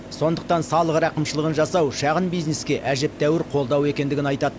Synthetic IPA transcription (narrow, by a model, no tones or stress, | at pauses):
so̞nd̪əq̚t̪ɑnsɑlˠəʁɾɑqəmʃəlˠəʁənʒɑsɑwʃɑʁənbijzne̞skʲe̞ʔæʒe̞p̚t̪æwɪɾqʰo̞lˠd̪ɑwe̞kʲe̞nd̪ɪɡʲɪnɑjt̪ɑd̪ə